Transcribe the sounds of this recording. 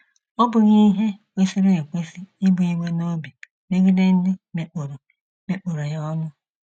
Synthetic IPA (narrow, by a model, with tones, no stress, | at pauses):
ɔ˦bʊ˨ɲi˦ɦe˦kʷe˦si˦ɾe˦e˨kʷe˦si˦ɪ˦bʊ˨i˦we˦no˦bi˨ | me˦ɡi˦de˦n̩˦dɪ˦me˨k͡po˨ɾo˨ | me˦k͡po˨ɾo˨jɔ˦nʊ˦